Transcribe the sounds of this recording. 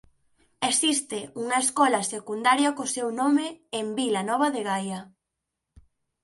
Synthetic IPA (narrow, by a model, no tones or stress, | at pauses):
esist̪ɪuŋɐeskɔlɐsekund̪aɾjakʊsewnomeːmbilanɔβ̞aðeɣajɐ